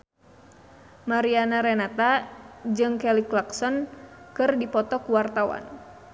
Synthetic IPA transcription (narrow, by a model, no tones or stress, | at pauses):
maɾianaɾɛnat̪ad͡ʒɨŋkɛliklaksɔnkɨrdipɔt̪ɔkuwart̪awa̰n